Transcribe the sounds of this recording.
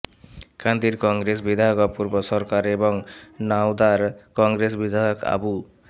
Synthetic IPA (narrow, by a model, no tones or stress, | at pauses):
kʰãnd̪iɾkɔŋɡɾes̬bid̪ʱajɔkɔpuɾbɔsɔɾkaɾebɔŋnawd̪aɾkɔŋɡɾes̬bid̪ʱajɔka̰bu